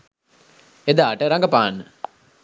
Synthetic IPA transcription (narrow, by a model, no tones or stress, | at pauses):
ed̪aːʈəɾaŋɡəpaːnːə